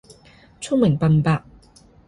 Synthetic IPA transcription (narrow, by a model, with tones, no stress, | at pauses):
t͡ʃʰʊ˥ŋmɪ˨˩ŋpɐ˨npaː˧k̚